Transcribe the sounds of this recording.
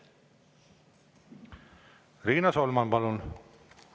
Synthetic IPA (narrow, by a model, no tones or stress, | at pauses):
riːnɑsolmɑnpɑlun